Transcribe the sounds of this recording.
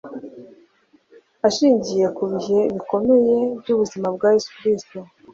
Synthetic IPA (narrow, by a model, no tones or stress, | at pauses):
aʃiːɲɟije̞kuβiɦe̞βiko̞meje̞bɟuβuzimabɡaːje̞su̥kɾisto